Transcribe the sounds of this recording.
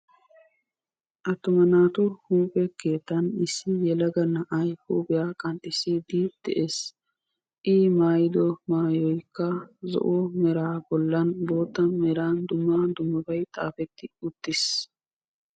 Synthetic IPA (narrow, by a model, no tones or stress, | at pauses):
ʔɐt̪ːʊmɐnaːt̪ʊhuːpʼɛkeːt̪ːɐnɪsːɪjɛlɐɡɐnːɐʔɐjhuːbɪjaːkʼɐnt̪ʼːɪsɪd̪id̪̥ɛʔeːs | ʔiːmaːjɪd̪ɔmaːjɔjkːɐzɔ̰ʔomɛɾaːbɔlːɐnbo̞ːt̪ːɐmɛɾaːnd̪ʊmːad̪ʊmːɐbɐjt̪ʼa̰ːfɛt̪ːɪʊt̪ːɪs